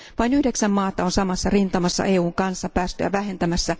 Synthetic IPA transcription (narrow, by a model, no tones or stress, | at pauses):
ʋɑinyhde̞ksæmːɑːt̪ɑo̞nsɑmɑsːɑrint̪ɑmɑsːɑ̰ʔe̞ːuːŋkɑnsːɑpæːst̪ø̰jæ̰ʋæɦe̞nt̪æmæsːæ